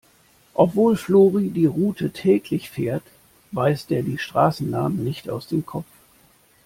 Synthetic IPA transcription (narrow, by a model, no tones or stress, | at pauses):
ʔɔpv̥oːlfloːʁidiːʁuːtʰətʰɛːkʰlɪçfeːɐt | vaɪstʔeːɐdiːʃtʁ̥aːsn̩naːmən̩nɪçtaʊsd̥eːmkʰɔpp͡ff